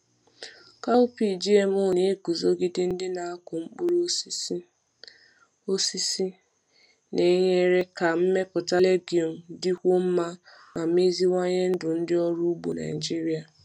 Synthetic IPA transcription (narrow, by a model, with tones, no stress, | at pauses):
ka˦u˦pi˨d͡ʒi˦e˨m˦o˦˨ne˦e˦ku˨zo˦ɡɪ˦dɪ˦n̩˦dɪ˦na˨a˦kʊ˨ŋ͡m̩˦k͡pu˦ɾo˦s | o˦si˦si˦ | ne˨˦ɲe˦ɾe˦ka˨m̩˦me˦pʊ˨ta˦le˦ɡjɔ˨n̩˨dɪ˦kʷo˦m̩˦ma˦ | ma˨˦m˦e˦zi˦ŋʷa˦ɲe˦n̩˦dʊ˨n̩˦dɪ˦ɔ˦ɾu˦ɡ͡bo̰˨na̰˨d͡ʒi˦ɾi˦a˨